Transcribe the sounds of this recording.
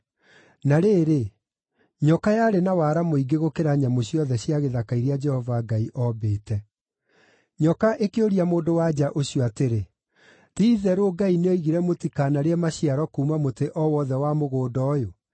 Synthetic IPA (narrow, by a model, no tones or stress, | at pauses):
naɾeːɾe | ɲɔkajaːɾenawaːɾamoiɡeɣokeɾaɲamoɕjɔðɛɕjaɣeðakaiɾead͡ʒɛhɔvaɡaiʔɔbeːtɛ | ɲɔkaʔekeoɾiamoːndowad͡ʑaʔoɕiɔateɾe | tiːðɛɾoɡaineoiɣiɾɛmotikaːnaɾeɛmaɕiaɾɔkuːmamoteʔɔwɔðɛwamoɣoːdɔːjo